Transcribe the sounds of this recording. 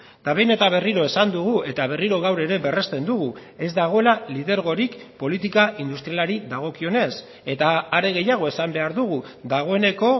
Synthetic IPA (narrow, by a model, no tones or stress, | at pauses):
d̪̥aβe̞jne̞t̪aβ̞e̞riɾo̞e̞sand̪uɣ̞ue̞t̪aβe̞riɾo̞ɣawɾe̞ɾe̞be̞re̞st̪e̞nd̪uɣ̞ue̞zd̪aɣ̞o̞e̞laliðe̞ɾɣ̞o̞ɾikpo̞lit̪ikaind̪ust̪ɾijalaɾiðaɣ̞o̞kio̞ne̞s | e̞t̪aːɾe̞ɣe̞jaɣ̞o̞e̞sambe̞aɾðuɣ̞ud̪aɣ̞o̞e̞ne̞ko̞